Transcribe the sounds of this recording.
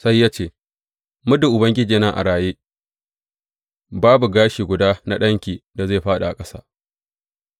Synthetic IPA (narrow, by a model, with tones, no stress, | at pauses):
sa˦jːaː˦t͡ʃeː˦˨ | mʊ˦dʊ˨ʔʊ˨bɐ˦ŋɡʲɪ˦d͡ʒiː˨na˦ŋʔa̰˨ɽaː˨jeː˦ | baː˦bu˨ɡaː˦ʃiː˨ɡʷʊ˨daː˦na˦ɗɐ˦ŋkʲiː˨da˨zeː˦˨ɸaː˦ɗa̰˨ʔa˨kʼɐ˦sa̰ː˦